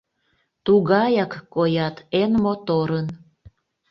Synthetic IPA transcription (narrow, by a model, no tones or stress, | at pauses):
t̪uɣɑjɑkːojɑt̪enmot̪oɾən